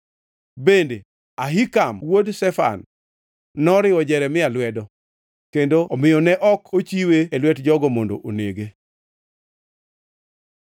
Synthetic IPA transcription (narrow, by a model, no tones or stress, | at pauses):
bende | aɦikamwodsɛfa̰nː | ɔɾɪɔd͡ʒɛɾɛmɪalwɛdɔ | kendoɔmɪjɔnɛʔɔkʰot͡ʃiweelwɛtd͡ʒɔɡɔmondo̰ʔoneɡe